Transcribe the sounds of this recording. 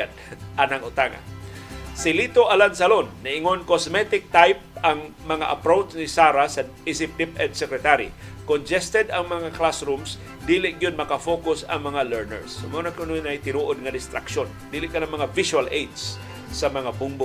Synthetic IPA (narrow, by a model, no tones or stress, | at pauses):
d̪̚ʔanaŋʊt̪aŋa̰nsɪlit̪oʔalansalonːɐʔɪŋonkosmɛt̪ɪk̚t̪ajp̚ʔaŋmɐŋa̰ʔɐ̰pɾowt͡ʃnɪsaːɾasɐʔisɪp̚d̪ipɛd̪sɛkɾɛt̪aɾḭkond͡ʒɛst̪ɛd̪ɐŋmɐŋaklasɾums | d̪iːlɪʔɡjʊd̪̚mɐkafokʊsɐ̰ŋmɐŋalɛɹnɛ̰ɹsmonɐkʊnojnajt̪ɪnuːʔod̪̚ŋɐd̪ɪst̪ɾakʃond̪iːlɪʔkanaŋmɐŋavɪʃuwalʔejd̪s | sɐmɐŋabʊŋbʊ